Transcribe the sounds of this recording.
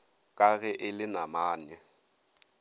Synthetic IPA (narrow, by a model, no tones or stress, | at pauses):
kʼaɣɛʔɪlɪnamaːnɛ